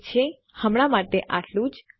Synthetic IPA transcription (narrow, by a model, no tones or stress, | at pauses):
t͡ʃʰe | həmɽamaʈeʔaʈlũd͡ʒ